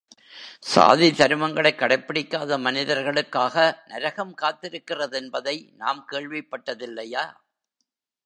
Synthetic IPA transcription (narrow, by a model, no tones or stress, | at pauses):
sa̰ːðit̪ɐɾɯmɐŋɡɐɭɐɪkːɐɽɐɪpːɪɽɪkːaːðɐmɐnɪðɐɾɣɐɭɯkːaːɣɐnɐɾɐɣɐmkaːt̪ːɪɾɯkːɪrɐðɛnbɐðɐɪna̰ːmkeːɭʋɪpːɐʈːɐðɪlːɐjaː